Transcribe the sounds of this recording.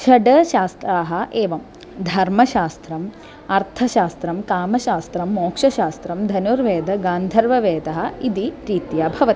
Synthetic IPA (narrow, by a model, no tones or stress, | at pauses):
ʃɐɖɐʃaːst̪ɾaːɦɐʔeːʋɐm | d̪ʱɐɾmɐʃaːst̪ɾɐm | ɐɾt̪ʰɐʃaːst̪ɾɐmkaːmɐʃaːst̪ɾɐmːoːkʂɐʃaːst̪ɾɐmd̪ʱɐnuːɾʋeːd̪ɐɡaːnd̪ʱɐɾʋɐʋeːd̪ɐɦɐ̆id̪iɾit̪jaːbʱɐʋɐt̪i